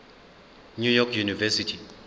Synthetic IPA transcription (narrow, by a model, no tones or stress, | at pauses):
nujɔkʰjunivɛsitʰi